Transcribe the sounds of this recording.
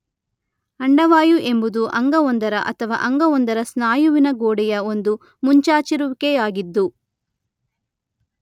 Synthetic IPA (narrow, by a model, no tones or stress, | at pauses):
ɐɳɖɐʋaːjuʔe̞mbud̪uʔɐŋɡɐond̪ɐɾɐʔɐt̪ʰɐʋa̰ːʔɐŋɡɐond̪ɐɾɐsnaːjuʋinɐɡoːɽɛjɐond̪u | muɲt͡ʃaːt͡ʃiɾuʋikejaːɡid̪ːu